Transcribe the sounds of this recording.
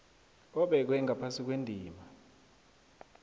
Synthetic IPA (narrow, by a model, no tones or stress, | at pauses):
ɔɓɛk̬wɛŋʱapʰasik̬wendʱiːma